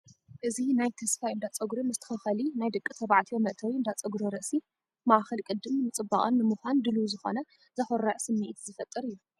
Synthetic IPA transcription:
ʔɨzinajt̪ʰɐsfajʔɨnd̪at͡sʼɐɡɾomɨzt̪ʰɨ̥xɨxɐlinajd̪ɨkʼːit̪ʰɐβaʕt̪ʰijomɐʔt̪ʰɐwiɨnd̪at͡sʼɐɡɾoɾɐʔsi | maʔxɐlkʼɨd̪ːɨmnɨt͡sʼɨbːaχʼɐ̰nːɨmɨxʷand̪ɨluzɨxo̞̰nɐ | zɐxɔɾɐʕsɨmːiʔt̪zɨfɐt̪ʼːɨɾɨjːu

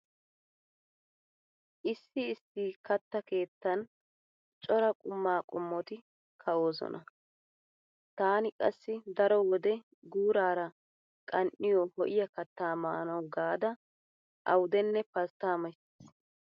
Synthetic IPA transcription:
ʔɪsːɪɪsːiːkɐt̪ːɐke̞ːt̪ːɐn | t͡ʃʼɔɾɐkʼʊmːaːkʼʊmːɔt̪ɪ | kʰɐo̞ːzɔ̰nɐ | t̪aːnɪkʼɐ̰sːɪd̪ɐɾɔwɔd̪ɛ | ɡuːɾaːɾɐ | kʼɐnʔɪjɔhɔʔɪjɐkɐt̪ːaːmaːnɐwɡaːd̪ɐ | ʔɐwʊd̪ɛnːɛpɐst̪aːmɐsi̥s

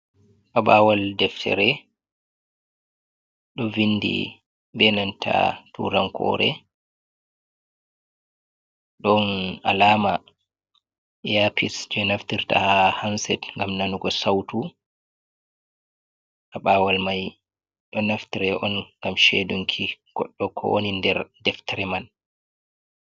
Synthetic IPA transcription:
ʔaɓawaldɛftʰɛ̰ɾɛ | ɗɔvinːdḭ | bɛnantʰa̰tṵɾankʰɔ̰ːɾɛ̰ | ɗɔnalaːma | ʔɛjapʰisd͡ʒɛnaftiɾta̰hahansɛtŋɡamnanuɡɔsawtu | ʔaɓaːwalmaj | ɗɔnaftiɾɛʔɔnŋɡamʃeduŋkʰiɡ̥ɔ̰ɗːɔkʰɔ̰ʔo̰nindɛɾdɛftɛɾɛman

